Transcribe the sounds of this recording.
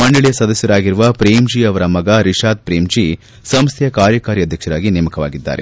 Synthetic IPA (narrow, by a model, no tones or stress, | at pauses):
mɐɳɖɐɭijɐsɐd̪ɐsjɐɾaːɡiɾuʋɐpɾeːmd͡ʒiɐʋɐɾɐmɐɡɐɾiʃaːd̪̚pɾeːmd͡ʒi | sɐmst̪ʰjɐkaːɾjɐkaːɾiɐd̪ʱjɐkʂɐɾaːɡinemɐkɐʋa̰ːɡid̪ːa̰ːɾe̞̰